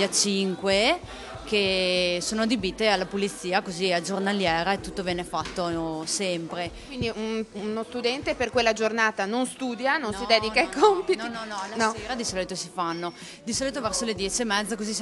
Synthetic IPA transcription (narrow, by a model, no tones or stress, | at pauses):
at͡ʃiŋkwe | kesoːnoad̪ibit̪ːealːapulit̪sːiːakoziad͡ʒornaljɛːɾaet̪ːut̪ːovjɛːnefat̪ːosɛmpɾekwind̪iununost̪ud̪ɛnt̪eperkwelːad͡ʒornaːt̪anonst̪uːd̪janonsid̪ɛːd̪ikaikompitninɔnɔlansɔeːɾad̪isɔːlit̪osifanːo | d̪isɔːlit̪ovɛrsoled̪jɛːt͡ʃiemːɛd̪zːakozis